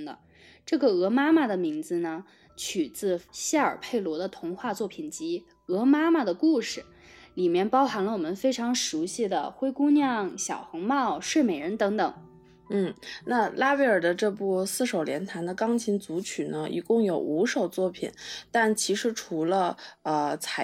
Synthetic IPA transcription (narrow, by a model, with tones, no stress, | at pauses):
d̪ə̰˧ | ʈ͡ʂɤ˥˩ɡə˩ɤ˧˥ma˥ma˨˩d̪ə˩mi˧˥ŋd͡zɹ̩˧nə˩ | t͡ɕʰy˨˩t͡sɹ̩˥˧ɕa˥˩ə̰˞˨˩pʰe˥˩ɪlwɔ˧˥d̪ə˧t̪ʰʊ˧˥ŋxwa˥˧t͡swɔ˥˩pʰi˨˩nt͡ɕi˧˥ | ɤ˧˥ma˥ma˨˩d̪ə˩ku˥˩ʂɻ̩˨˩ | li˨˩mjɛ˥˩˧npɑ˥ʊxa˧˥nlə˧wɔ˨˩mə˧˦nfe˥ɪʈ͡ʂʰɑ˧˥ŋʂu˧˥ɕi˥˩d̪ə̰˩xwe˥ɪku˥njɑ˥˩ŋɕjɑ˨˩ʊxɤ˧˥ŋmɑ˥˩ʊʂwe˥˩ɪme˨˩ɪɻə˧˥nt̪ɤ˧˥ŋt̪ɤ˨˩˦ŋ | n̩˥˩na˥˧la˥we˧˥ɪə˞˨˩d̪ə˦ʈ͡ʂɤ˥˧pu˥˩˧sɹ̩˥˩ʂo˨˩ʊljɛ˧˥nt̪ʰa˧˥nd̪ə˧kɑ˥ŋt͡ɕʰi˧˥ŋt͡su˧˥t͡ɕʰy˨˩nə˦ʔḭ˨˩kʊ˥˩ŋjo˨˩ʊu˧˥ʂo˨˩ʊt͡swɔ˥˩pʰḭ˨˩˦nt̪a˥˩nt͡ɕʰi˧˥ʂɻ̩˧˥ʈ͡ʂʰu˧˥lə˧ə˧t͡sʰa˨˧˥